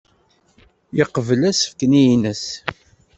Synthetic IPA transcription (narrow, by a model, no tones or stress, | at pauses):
jəqəvəlæsə̥fkənijnəs